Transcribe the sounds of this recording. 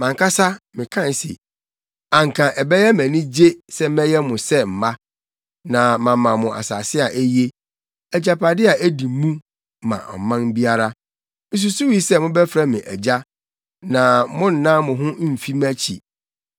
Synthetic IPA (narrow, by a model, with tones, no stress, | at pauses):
mã˨ŋkʰa˦sa˦mɪ̃˨kʰã˦n˨˦sḭ˨ | ã˨ŋ˨kʰã˨ʔɛ˨bɛ˦jɛ˦mæ̃˨nĩ˦d͡ʑe˦sɛ˦m˦mɛ̃˦jɛ˦mʊ̃˨sɛ˦m̩˨ma˦ | nã˨mã˨mã˨mʊ̃˨a̰˨sa˨sɪ˦a˨ʔæ˦je˦ | æ˨d͡ʑa˨pʰa˨dɪ˦a˨ʔæ˦di˨mũ˦ | mã̰˨ʔɔ̰˨mã˦n˦bi˦a˦ɾa˦ | mɪ̃˦s̬u˦su˦wi˦sɛ˦mʊ̃˦bɛ˦fɾa˦mɪ̃˨ʔæ˨d͡ʑa˦ | nã˨mʊ̃˦n̩˨nã˦mʊ̃˨ɦʊ̃˦m̩˨fi˦mæ̃˦t͡ɕʰḭ˨